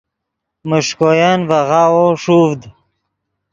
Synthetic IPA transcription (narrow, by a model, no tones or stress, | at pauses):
mʊʂkojanvaʁawoʂuvd̪